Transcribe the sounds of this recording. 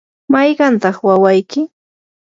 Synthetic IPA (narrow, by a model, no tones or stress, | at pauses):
majɢɑnt̪ɑχwawajkɪ